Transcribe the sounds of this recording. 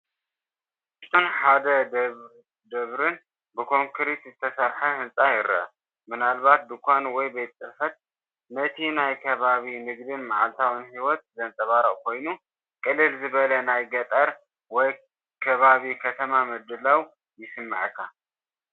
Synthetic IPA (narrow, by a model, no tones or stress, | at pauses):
ɨst̪ʰːonħad̪ɐ | d̪ɐβɾɨn | bɨkʰo̞ŋkʰɨɾit̪zɨt̪ʰɐsɐɾħɐhɨnsʼajɪɾɐ̰ʔ | mɨnalbat̪̚d̪ɨkʰʷanwɔjbet̪t̪ʼːɨɾfɐt̪̚ | nɐt̪ʰinajkʰɐβaβinɨɡd̪ɨnmaʕa̰lt̪ʰawɨnhiwɔt̪̚zɐnt̪ʼɐβaɾɐʔʼkʰo̞jnu | kʼɨlːɨlzɨβɐlɐnajɡɐt̪ʼɐɾ | wɔj | kʰɐβaβikʰɐt̪ʰɐmamɨd̪ːɨlaw | jɪsɨmːa̰ʕkʰːa̰